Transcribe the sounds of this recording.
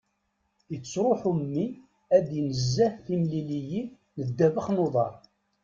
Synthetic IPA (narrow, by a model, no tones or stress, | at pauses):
jət͡sːɾˤoħumːi | æd̪jnəzːæθimliliji | nəd̪ːævəχnoðˤɑ̰ɾˤ